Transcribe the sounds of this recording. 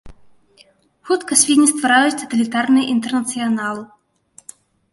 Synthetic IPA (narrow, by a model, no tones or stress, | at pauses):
xut̪kɐsʲvʲid̪ʲnʲist̪vaɾajut͡sʲt̪ɐ̥t̪ɐlʲit̪arnɨjɐʔint̪ɛrnɐt̪sɨjanalˠɨ